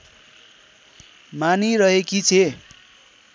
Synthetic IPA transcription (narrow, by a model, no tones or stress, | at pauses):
maniɾʌɦekit͡sʰe